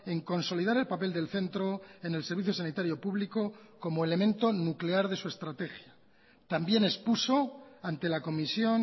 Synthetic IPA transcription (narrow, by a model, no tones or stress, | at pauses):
e̞ŋko̞nsolið̞aɾe̞lpape̞ld̪e̞lθe̞nt̪ɾo̞e̞ne̞lse̞ɾβiθjo̞sanit̪aɾjo̞puβliko̞ko̞moele̞mẽ̞nt̪o̞nukle̞aɾðe̞sue̞st̪ɾat̪e̞xja | t̪ambje̞ne̞spuso̞ant̪e̞lako̞misjo̞n